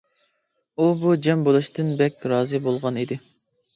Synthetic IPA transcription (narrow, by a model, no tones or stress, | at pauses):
ubud͡ʒɛmbolˠuʃt̪ɨnbɛkʲɾɑːzɨbolˠʁɑnid̪ɪ